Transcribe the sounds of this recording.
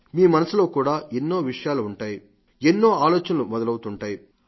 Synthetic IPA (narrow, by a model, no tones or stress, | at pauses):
miːmɐnɐsulo̞ːkuːɽaːʔenːo̞ːʋiʂɐjaːluːɳʈaːji | enːo̞ːaːlɔːt͡ʃɐnɐlumɔd̪ɐlɐwut̪uɳʈaːji